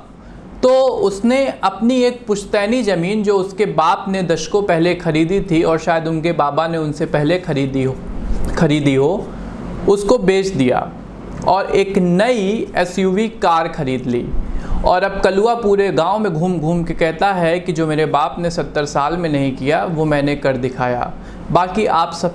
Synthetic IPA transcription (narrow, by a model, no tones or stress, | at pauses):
t̪oːʊsneɐpnieːk̚pʊʃt̪ɛːnizɐmiːnd͡ʒoːʊskebaːpned̪ɐʃkõpɛɦlexɐɾiːd̪it̪ʰiɔːɾʃaːjəd̪ʊnkebaːbaneʊnsepɛɦleɾid̪ixɐɾiːd̪iɦo | ʊskobeːt͡ʃd̪ija̰ː | ɔːɾʔeːknɐiɛːsjuːʋikaːɾxɐɾiːd̪lḭːɔːɾɐb̚kɐluapuːɾeɡãːomẽɡʱuːmɡʱuːmkekɛɦt̪aɦɛkid͡ʒoːmeːɾebaːpnesɐt̪ːəɾsaːlmẽnɐɦĩkijaʋomɛ̃ːnekɐɾd̪ɪkʰa̰ːja̰ː | baːkiʔaːpsɐ